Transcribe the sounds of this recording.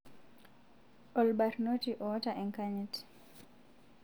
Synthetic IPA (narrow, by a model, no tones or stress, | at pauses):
ʔɔlbaɾnotiʔɔtaʔɛŋkaɲɛt